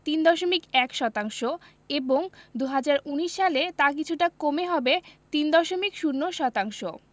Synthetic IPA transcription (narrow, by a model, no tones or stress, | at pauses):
t̪ind̪ɔʃomikɛkʃɔt̪aŋʃo | eboŋd̪uɦad͡ʑaɾuniʃːalet̪ak̬it͡ɕʰuʈakomeɦɔbet̪ind̪ɔʃomikʃuɾnːoʃɔt̪aŋʃo